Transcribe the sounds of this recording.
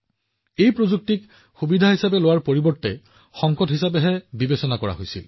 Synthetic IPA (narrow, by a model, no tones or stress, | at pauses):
ejpɹozuk̚tik | xubidʱaɦisapɛlowaɹpoɹibɔɹtːɛ | xɔŋkɔtɦisapɛɦɛbibesɔnakɔɹa̰ɦojsḭl